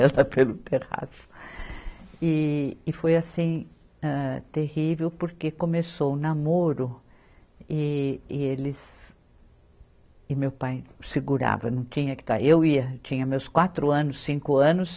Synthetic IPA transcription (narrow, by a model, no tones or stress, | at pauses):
ɛlɐpelʊt̪eʁa̰sʊ̥ | ɪːfojasĩ | ɛt̪ehivewpoɾkekõmesownamoɾʊ | ɪɪelɪs | ɪmewpajsɪɡuɾa̰vɐnɐ̃w̃t͡ʃĩɲɐkɪ̥t̪a̰ɾewiɐt͡ʃĩɲɐmewskwat̪ɾʊɐ̃nʊsːĩŋkʊɐ̃nʊs